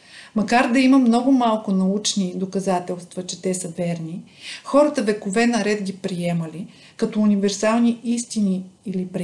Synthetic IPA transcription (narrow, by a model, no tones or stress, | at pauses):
mɐkaɾd̪ɐiməmnɔɡʊmalˠkʊnɐut͡ʃnid̪okɐzat̪ɛlˠst̪vɐt͡ʃɛt̪ɛsəvɛɾni | xɔɾɐt̪əvɛkovɛnɐɾɛt̪ɡʲipɾiɛməli | kɐt̪ɔunivɛɾsalˠniist̪iniilipɾ